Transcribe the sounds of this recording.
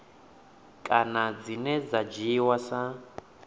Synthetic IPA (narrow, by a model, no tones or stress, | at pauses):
kʼanad͡zinɛd͡zad͡ʒiwasa